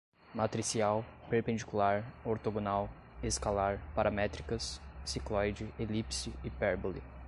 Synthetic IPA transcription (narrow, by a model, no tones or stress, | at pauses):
mat̪ɾisiawpeɾpẽnd͡ʒikulaɾoɾt̪oɡonaw | eskalaɾpaɾʔamɛt̪ɾikɐsːiklɔjd͡ʒɪelipsɪɪpɛɾbolɪ̰